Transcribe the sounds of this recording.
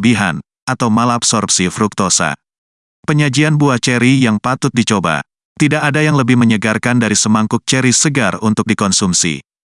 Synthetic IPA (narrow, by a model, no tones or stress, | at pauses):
biɦan | ʔat̪awmalaːpsɔrp̚sifɾuk̚t̪osa̰ | pəɲad͡ʒianbuaht͡ʃɛɾijaŋpat̪ʊt̪̚dit͡ʃoba̰ | t̪idaʔːdajaŋləbɪhməɲəɡarkandaɾisəmaŋkʊk̚t͡ʃɛɾisəɡarunt̪ʊk̚dikɔnsumsḭ